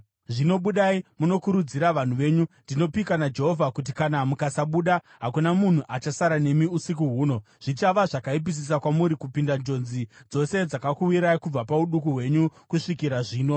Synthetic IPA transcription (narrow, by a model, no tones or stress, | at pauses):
ʐino̞ɓuɗaːimuno̞kuɾud͡ziɾaʋan̤uʋe̞ːɲundino̞pikanad͡ʒe̞ɦo̞vʱakut̬ikanamukasaɓuɗa | ɦakunamun̤uʔat͡ʃasaɾane̞miusik̬uɦuːno̞ | ʐ̥it͡ʃaʋaʐakaip̬is̬is̬akwamuɾikupindand͡ʒo̞nzid͡zo̞se̞d͡zakakuwiɾaikub͡vapauɗukuɦwe̞ɲukuʂikiɾaʐiːno̞